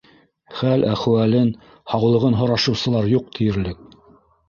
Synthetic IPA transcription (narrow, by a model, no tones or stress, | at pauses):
χælʔæχ̆wælɘn | hɑwlˠɤ̆ʁɤnɦŏɾɑʃɤ̆wsɤ̆lˠɑɾjuq̚t̪ʰɘ̆jɘ̆ɾlɘk̚